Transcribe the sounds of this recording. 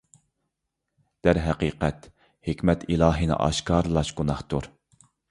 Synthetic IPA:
d̪̥æɾɦɛqiːqɛt̪ | hekʲmɛt̪ʰilˠɑːɦinɨ̰ʔɑ̰ʃkɑːɾlˠɑʃɡ̥unɑχt̪uɾ

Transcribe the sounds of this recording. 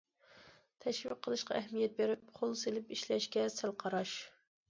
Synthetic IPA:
t̪ʰɛʃwiqʰːəlˠɨʃqɑ̰ʔɛɦmijɛt̪̚beɾɪpχʰolˠselɪpiʃlɛʃkʲɛsælqʰɑɾɑʃ

